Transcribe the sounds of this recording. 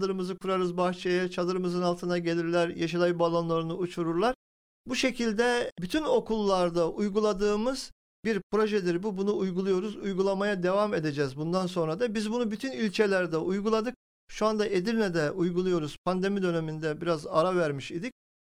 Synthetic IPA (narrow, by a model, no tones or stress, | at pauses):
d̪ɯɾɯmɯzɯkʰuɾaɾɯzbaxt͡ʃʰejɛt͡ʃʰad̪ɯɾɯmɯzɯnalˠt̪ʰɯnaɟe̞lʲiɾlʲæɾjaʃad̪ˠajɯbalˠanlˠaɾɯnɯut͡ʃʰuɾuɾlˠaɾ | buʃe̞cʰilʲd̪ɛbyt̪ʰyno̞kʰulˠːaɾd̪aʔujɡulˠad̪ɯːmɯz̥ | biɾpɾo̞ʒɛd̪iɾbubunuːjɡulˠujo̞ɾuzujɡulˠamajad̪e̞vame̞d̪e̞d͡ʒɛːzbund̪anso̞nɾad̪abizbunubyt̪ʰynilʲt͡ʃʰe̞lʲæɾd̪ɛʔujɡulˠad̪ɯk̚ | ʃuand̪aʔed̪iɾnʲɛd̪ɛʔujɡulˠujo̞ɾuz̥pʰand̪e̞mid̪ø̞ne̞mind̪ɛbiɾazaɾavæɾmiʃid̪ic̚